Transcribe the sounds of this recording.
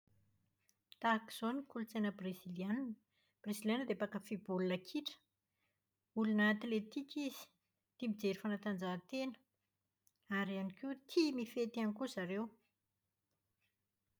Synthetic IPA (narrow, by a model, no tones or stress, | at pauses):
t̪aki̥z̥onikulut͡sejnəbriziliann | b̥rezilanəd̪eapakəfibulunəkʰiʈ͡ʂə̥ | ulunəːt̪let̪ikʲiz̥i̥ | t̪imbid͡zeɾifanat̪and͡zat̪enə̥ | aɾianikiut̪ʰimifet̪ianikuzaɾew